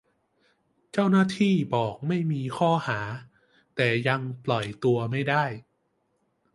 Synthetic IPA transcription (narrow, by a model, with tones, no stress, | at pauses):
t͡ɕa˥˩wnaː˥˩t̪ʰiː˥˩bɔː˨˩k̚ma˥˩jmiː˧kʰɔː˥˩haː˩˦ | t̪ɛː˨˩ja˧ŋplɔ˨˩jt̪u˧ɐma˥˩jdaː˥˩j